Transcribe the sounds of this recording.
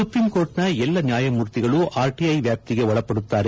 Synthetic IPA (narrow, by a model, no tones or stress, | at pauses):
sʊpɾimkoːɾʈnɐɛlːɐnjaːjɐmuːɾt̪ːɪɣɐɭuʔaːɾʈiɐɪʋjaːp̚t̪ɪɣeɔɭɐpːɐɽɯt̪ːaːɾe